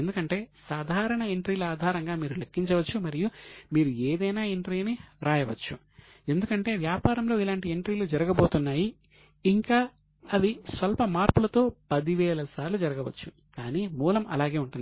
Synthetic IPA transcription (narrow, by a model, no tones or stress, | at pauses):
end̪ukɐɳʈe̞ːsaːd̪ʱaːɾɐɳɐeɳʈɾiːluaːd̪ʱaːɾɐŋɡaːmiːɾulekːiɲt͡ʃɐʋɐt͡ʃːumɐɾijumiːɾueːd̪ɐjnaːeɳʈɾiːɐniɾaːjɐʋɐt͡ʃːu | e̞nd̪ukɐɳʈe̞ːʋjaːpaːɾɐmlo̞ːilaːɳʈieɳʈɾiːlud͡ʒɐɾɐɡɐbo̞ːt̪unːaːjiː | ŋkaː | ɐd̪isʋɐlpɐmaːɾpulɐt̪o̞ːpɐd̪iʋɛːlɐsaːɾlud͡ʒɐɾɐɡɐʋɐt͡ʃːu | kaːniːmuːlɐmɐ̰laːɡe̞ːuɳʈund̪i